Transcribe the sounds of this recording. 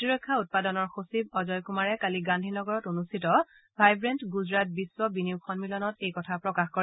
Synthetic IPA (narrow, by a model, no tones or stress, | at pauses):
tiɹɔjkʰːaut̚padɔnɔɹxosibɔzɔjkumaɹɛkaliɡandʱinɔɡɔɹɔtonustʰitɔ | bʱajbɹɛntɡuzɹat̚biswɔbiniʊkʰɔnmilɔnɔtejkɔtʰapɹɔkaxkɔɹɛ